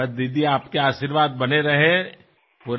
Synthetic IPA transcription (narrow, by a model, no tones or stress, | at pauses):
ɐd̪id̪iaːpkeaːʃiːɾʋaːd̪̚bɐneɾɐɦẽ | puɾ